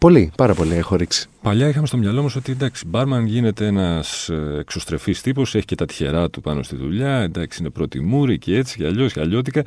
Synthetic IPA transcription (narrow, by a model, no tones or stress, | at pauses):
po̞lipɐɾɐpo̞liexoɾiksi̥pɐʎɐixɐmest̪omɲɐlo̞mɐso̞t̪iend̪ɐksi̥bɐɾmɐnʝine̞t̪e̞e̞nɐsekso̞st̪ɾe̞fist̪ipo̞se̞çi̥ce̞t̪ɐt̪i̥çe̞̰ɾɐt̪upɐno̞st̪iðṵʎɐend̪ɐksiine̞pɾo̞t̪ḭmuɾicee̞t͡si̥cɐʎo̞sɐʎo̞t̪ikɐ